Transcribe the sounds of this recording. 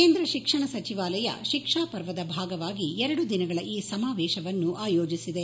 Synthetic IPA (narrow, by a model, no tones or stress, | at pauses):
keːnd̪ɾɐʃikʂɐɳɐsɐt͡ʃiʋaːlɐjɐ̰ʃikʂaːpɐɾʋɐd̪ɐbʱaːɡɐʋaːɡiɛɾɐɽud̪inɐɡɐɭɐʔiːsɐmaːʋɛːʃɐʋɐnːuʔaːjoːd͡ʒisid̪e̞